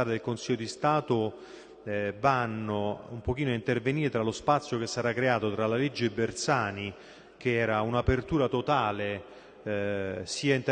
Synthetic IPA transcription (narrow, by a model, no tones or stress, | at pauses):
aːɾed̪elkonsiʎːod̪ist̪aːt̪o | banːoumpok̟iːnoaint̪erveniːɾet̪ɾalospat̪sːjokesːaɾakːɾeaːt̪ot̪ɾalaled͡ʒːeːbːert̪saːni | k̟eɛːɾaunapert̪uːɾat̪ot̪aːle | siːaint̪